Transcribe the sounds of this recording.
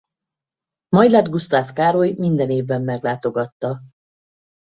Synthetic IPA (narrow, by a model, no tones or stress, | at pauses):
mɒjlad̪ɡust̪aːfkaːɾo̞jmind̪ɛneːvbɛmːɛɡlaːt̪o̞ɡɒt̪ːɒ